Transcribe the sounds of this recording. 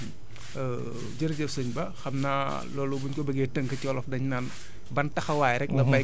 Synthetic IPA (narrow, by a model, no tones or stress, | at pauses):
d͡ʒəɾd͡ʒəsəɲbɐxɐmnaː | lɔːlubuɲkɔbəɡetəŋkɐcɔːlɔfdɐɲnaːn | bɐntɐxɐwaːjɾɛk̚lɐmɐ